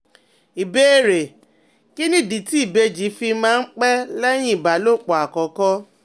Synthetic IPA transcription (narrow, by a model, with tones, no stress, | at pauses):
i˨be˦e˦˨ɾe˨ | ki˦nĩ˦˨di˨ti˦i˦˨be˧d͡ʒi˨˦fi˧mãː˦˧n̩˦k͡pɛ˦lɛ˦j̃ĩ˦i˨ba˨˦lo˦˨k͡pɔ˨a˨kɔ˨˦kɔ˦